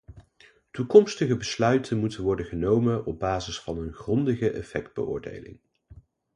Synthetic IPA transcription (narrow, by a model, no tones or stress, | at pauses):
tukɔmstəχəbəslœɥtʰənmutənʋɔɹdənχənowmənɔb̚baːzɪsfɑnənχrɔndəχəʔɛ̰fɛk̚d̚bə̰ʔʊ̰ːɹdḛjlɪ̰ŋ